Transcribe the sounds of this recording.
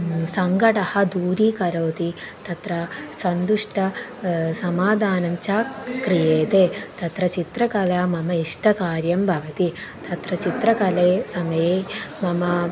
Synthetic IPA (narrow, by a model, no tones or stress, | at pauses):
sɐŋɡɐʈɐhɐd̪uːɾiːkɐɾoːt̪it̪ɐt̪ɾɐsɐnd̪uʂʈɐsɐmaːd̪ʱaːnɐɲt͡ʃaːkɾijeːt̪eːt̪ɐt̪ɾɐt͡ʃit̪ɾɐkɐlamɐmɐiʂʈɐkaːɾjɐmbʱɐʋɐt̪it̪ɐt̪ɾɐt͡ʃit̪ɾɐkɐleːsɐmɐjeːmɐmɐ